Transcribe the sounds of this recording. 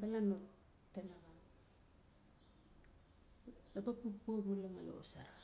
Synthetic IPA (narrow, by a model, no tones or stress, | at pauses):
balano | tenaɣa | lapapupobuleŋalo̰saɾa